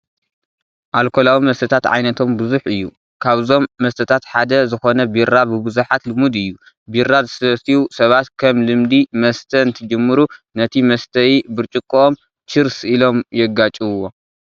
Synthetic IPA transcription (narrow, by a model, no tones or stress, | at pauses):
ʔalkʰo̞lawimɐst̪ʰɐt̪ʰat̪ʕa̰jnɐt̪ʰo̞mbɨzuħɨjːu | kʰaβzo̞mːɐst̪ʰɐt̪ʰat̪ħad̪ɐzɨxo̞nɐbiɾabɨβɨzuħat̪lɨmud̪ɨjːu | biɾazɨsɨɐsiwusɐβat̪kʰɐmlɨmd̪imɐst̪ʰɐnt̪ʰɐd͡ʒɨmːɨɾu | nɐt̪ʰimɐst̪ʰɐjibɨɾt͡ʃʼɨkʼːuom | t͡ʃɨɾsilo̞mjɛɡat͡ʃʼɨβwːo